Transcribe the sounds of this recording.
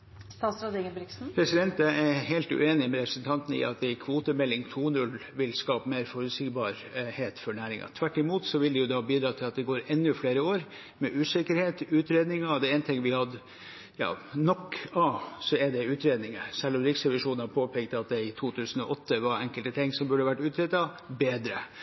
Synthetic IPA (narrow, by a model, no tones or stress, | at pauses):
st̪ɑːt̪sɾɑd̪iɡənbɾɪksn̩pʰɾɛsɪd̪ɛnt̪ɛɛɦeɪlt̪ʉ̰eːnɪmɛɾɛpɾəsənt̪ʰɑnt̪n̩ɪ̰ɑ̰t̪̚d̪ɛkʰʋuːt̪əmɛlːɪŋt̪ʰuːnʉlʋɪlskɑːpəmeːɾfɔɾʉsɪkbɑɾ | heːt̪fɔɳæːɾɪ̰ŋɑ̰t̪ʰʋæʈːɪmuːt̪sɔʋɪld̪ɛjʊd̪ɑbiːd̪ɾɑːt̪ʰɪlɑt̪̚d̪ɛɡoːɾɛnːʉfleːɾəoːɾ | mɛʔʉːsɪkəɾheːt̪ʉːt̪ɾeːd̪nɪŋɑd̪ɛɛːnət̪ʰɪŋːʋɪhɑd̪ə | jɑ̰ːnɔkːɑsɔɛɖɛʉːt̪ɾeːd̪nɪŋəsɛlːɔmɾɪksɛʋɪʂuːnhɑpʰoːpʰɛkt̪ɑt̪̚d̪ɛɪt̪ʰuːt̪ʰʉːsən̩ɔʔɔt̪ːəʋɑɾɛŋkəlt̪ət̪ʰɪŋːsɔmbʉɖəɑʋæʈːʉːt̪ɾeːd̪ɑ | beːd̪ɾə